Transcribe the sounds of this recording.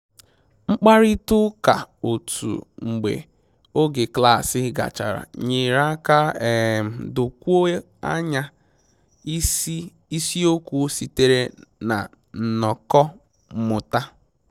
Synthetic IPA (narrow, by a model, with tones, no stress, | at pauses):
ŋ͡m̩˦k͡pa˦ɾi˦tʊ˦ka˨o˨tʰṵ˨ŋ͡m̩˨ɡ͡bḛ˨ | o˦ɡɪ˨kla˦˨sɪ˦ɡa̰˨t͡ʃa̰˨ɾa̰˨ɲi˨ɾa˦ka˦˨ | dʊ˨kʷu˦o˦ | a̰˦ɲa˦ | i˦si˦o˦kʷu˦si˨te˦ɾe˦na̰˨ | n̩˨nɔ˨kɔ˦˨ | mʊ˨ta˦